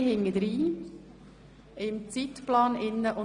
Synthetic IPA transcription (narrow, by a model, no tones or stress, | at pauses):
hɪŋːəd̪ɾiː | ɪmt͡siːt̪plɑːnɪnːəʔʊ